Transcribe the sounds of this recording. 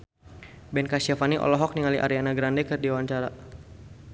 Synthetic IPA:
bɛnkasiafaniʔɔ̰lɔɦɔk̚niŋaliʔa̰ɾianaɡɾandɛkərdiawaɲt͡ʃaɾa

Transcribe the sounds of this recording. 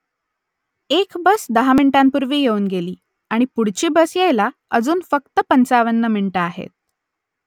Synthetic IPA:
ekbəsd̪əɦamiɳʈampuɾʋiːjeuːnɡeliː | aɽ̃ipuɽ̤t͡ɕiːbəsjejla | əd͡zuːnfək̚t̪əpənt͡saʋənːəmiɳʈəaɦḛt̪̚

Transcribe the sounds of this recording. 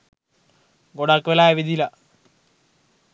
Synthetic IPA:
ɡoɽakːʋelaːjɐʋid̪ʱilɐ

